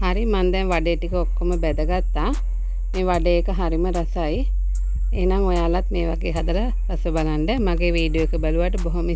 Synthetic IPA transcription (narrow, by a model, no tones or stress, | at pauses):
haɾimand̪ɛnʋaɖejʈikəokːoməbɛd̪əɡat̪ːaː | meːʋaɖeːkəɦaɾiməɾasaj | ḛːnaŋojaːlat̪meːʋa̰ɡeːɦad̪əɾə | t̪asʋəbalaɳɖəmaɡeːʋiːɖijoekəbaluʋaʈəboɦomi